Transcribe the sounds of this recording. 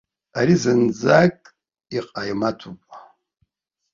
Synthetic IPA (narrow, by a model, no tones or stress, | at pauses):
aɾizɨnd͡zakʼ | iqʼajmatʰupʼa